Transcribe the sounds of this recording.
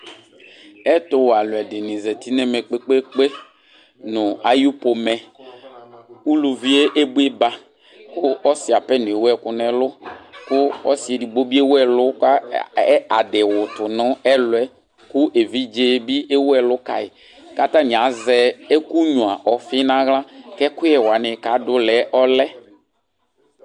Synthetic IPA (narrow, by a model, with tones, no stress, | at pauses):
ɛ˦tʊ˨wa˨lʊ˨ɛ˨dɪ˨nĩ˨zɛ˨ti˦nɛ˦mɛ˨k͡pe˦k͡pe˦k͡pe˦ | nʊ˨a˨ju˦po˨mɛ˨ | u˦lu˨vi˦e˦ʔe˦bu˦e˦ba˨ | kʊ˦ɔ˦sɪ˨a˨pɛ˦nʊ̃˨e˨wɛ˦kʊ˦nɛ˨lʊ˦kʊ˦ɔ˦si˨e˨di˨ɡ͡bo˦bi˦e˦wɛ˦lʊ˦ka˦ | a˨dɪ˨wʊ˨tʊ˨nʊ˦ɛ˦lʊ˨ɛ˦ | kʊ˦ʔe˨vi˦d͡ʒe˦bi˦ʔe˦wɛ˦˨lʊ˦ka̰˨ɪ˨ | ka˦ta˦nɪ̃˨a˨˦zɛ˦e˦ku˦ɲũ˨a˨ʔɔ˨fɪ˦nã˦ɣla˦kɛ˦kʊ˦jɛ˨wa˨nɪ˨ka˨˦dʊ˦lɛ˨˦ʔɔ˦lɛ˦